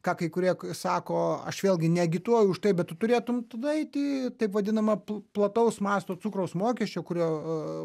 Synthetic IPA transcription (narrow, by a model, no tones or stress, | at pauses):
kɑːkɐɪkʊɾʲiɛsɑːkoːɐ̰ʃʋʲeːlˠʲɡʲɪnʲɛɡʲɪt̪uɔjʊʊʃt̪ɐɪbʲɛt̪ʊt̪ʊɾʲeːt̪ʊmt̪ɐd̪ɐɛɪt̪ʲɪt̪ɐɪpʋɐd̪ʲɪnɐmɐpplˠɐt̪ɐʊsmɑːst̪oːt͡sʊkɾɐʊsmoːkʲɛʃʲt͡ʃʲoːkʊɾʲoː